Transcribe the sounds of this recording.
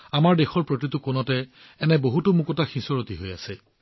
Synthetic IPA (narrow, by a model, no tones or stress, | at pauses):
amaɹdexɔɹpɹot̬itʊkonɔtɛ | ɛnɛboɦutʊmukɔtaxisɔɹotiɦojasɛ